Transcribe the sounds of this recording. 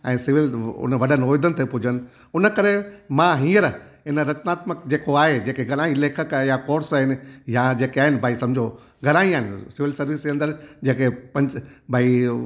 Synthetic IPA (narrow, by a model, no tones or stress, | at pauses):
ɛ̃ːsɪʋɪlʊ̰nəʋɐɗənɪoːjd̪ənɪt̪epʊd͡ʑʱənɪ̆ | ʊnə̆kɐɾemãɦĩːəɾ | ɪnəɾɐt͡ɕnaːt̪məkd͡ʑeːkoaːɦed͡ʑeːkeɡʱɐɾaːĩleːkʰəkjakoːɾsaːɦɪnɪ̆jad͡ʑeːkeaːɦɪnɪ̆bʱaːisɐ̃md͡ʑʱo | ɡʱɐɾaːĩaːɦɪnɪsɪʋɪlsɐɾʋɪsd͡ʑeɐ̃nd̪əɾd͡ʑeːkepɐ̃ɲd͡ʑbʱaːi